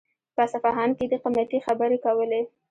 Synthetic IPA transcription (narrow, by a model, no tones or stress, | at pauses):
pəsafɑɦɑnked̪əqamjat̪ixabəɾekawəle